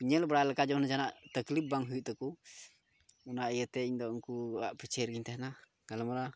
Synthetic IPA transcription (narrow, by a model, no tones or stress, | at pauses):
piɲɛlbəɾalɛkad͡ʒɔnad͡ʒanaʔt̪əklip̚baŋɦujuʔt̪ɔku | unaʔijət̪ɛiɲd̪ɔŋkuaʔpɛt͡ʃɛɾɡiɲt̪ɛhna | kalamɾa